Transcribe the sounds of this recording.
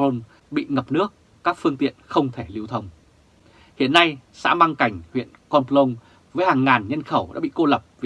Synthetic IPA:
o˧n | ɓḭ˧˨ŋə˨˩p̚nɨ˦˥ək̚ːaː˦˥k̚fɨ˧əŋt̪ḭ˧˨ənxə˧wŋ͡mt̪ʰe˧˩li˧əwt̪ʰə˧wŋ͡m | hḭ˧˨ənːa˧jsa̰ː˧˥maː˧ŋka˧˩jŋ̟hwḭ˧˨ənkɔ˧nplo˧n | vəː˨˦jhaː˨˩ŋːaː˨˩nɲə˧nxə˧˩wɗa̰ː˧˥ɓḭ˧˨ko˧lə˨˩p̚vi˨˩

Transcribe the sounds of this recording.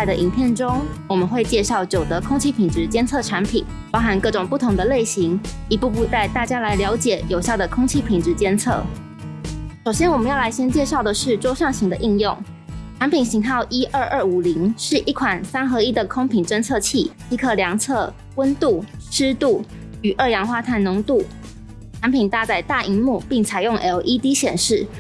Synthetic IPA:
a˥˩ɪd̪ə˨ʔi˨˩npʰjɛ˥˩nʈ͡ʂʊ˥ŋwɔ˨˩mə˨˦nxwe˥˧ɪt͡ɕjɛ˥˧ʂɑ˥˩ʊt͡ɕjo˨˩ʊd̪ə˦kʰʊ˥ŋt͡ɕʰi˥pʰi˨˩nʈ͡ʂɻ̩˧˥t͡ɕjɛ˥nt͡sʰɤ˥˩ʈ͡ʂʰa˧˥npʰḭ˨˩˦n | pɑ˥ʊxa˧˥nkɤ˥˩ʈ͡ʂʊ˨˩ŋpu˥˩t̪ʰʊ˧˥ŋd̪ə˧le˥˩ɪɕi˧˥ŋi˧˥pu˥˧pu˥˧t͡sa˥˧ɪt̪a˥˩t͡ɕja˥la˧˥ɪljɑ˧˥ʊt͡ɕjɛ˨˩jo˨˩ʊɕjɑ˥˩ʊd̪ə˩kʰʊ˥ŋt͡ɕʰi˥pʰi˨˩nʈ͡ʂɻ̩˧˥t͡ɕjɛ˥nt͡sʰɤ̰˥˩ | ʂo˨˩ʊɕjɛ˥nwɔ˨˩mə˨˦jɑ˥˩ʊla˧˥ɪɕjɛ˥nt͡ɕjɛ˥˧ʂɑ˥˩ʊd̪ə˩ʂɻ̩˥˩ʈ͡ʂwɔ˥ʂɑ˥˩ŋɕi˧˥ŋd̪ə˧ʔi˥˧ŋjʊ˥˩ŋ | ʈ͡ʂʰa˧˥npʰi˨˩nɕi˧˥ŋxɑ˥˩ʊʔi˥ʔə˥˧ʔə˥˩u˨˩li˧˥ŋʂɻ̩˥˧ʔi˥˩kʰwa˨˩nsa˥nxɤ˧˥i˥d̪ə˨kʰʊ˥ŋpʰi˨˩nʈ͡ʂə˥˧nt͡sʰɤ˥˧t͡ɕʰi˥˩t͡ɕi˥˧kʰɤ˥˩ljɑ˧˥ŋt͡sʰɤ˥˩ | wə˥nt̪u˥˩ʂɻ̩˥t̪u˥˩ | y˨˩ʔə˥˩jɑ˧˥ŋxwa˥t̪ʰa˥˩nnʊ˧˥ŋt̪u˥˩ | ʈ͡ʂʰa˧˥npʰi˨˩nt̪a˥˧t͡sa˥˩ɪt̪a˥˩i˧˥mu˥˧pi˥˩ŋt͡sʰa˨˩ɪjʊ˥˩ŋʔɛ˧˥lʔi˥t̪i˥ɕjɛ˨˩nʂɻ̩˥˩

